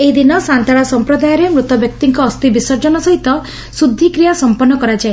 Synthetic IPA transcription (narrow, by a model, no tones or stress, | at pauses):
eɦid̪inɔsant̪aɭasɔmpɾɔd̪ajɔɾemɾut̪ɔbjɔk̚t̪iŋkɔːst̪ibisɔɾd͡ʒɔnɔsɔɦit̪ɔ | sud̪ʱːikɾijasɔmpɔnːɔkɔɾad͡ʒae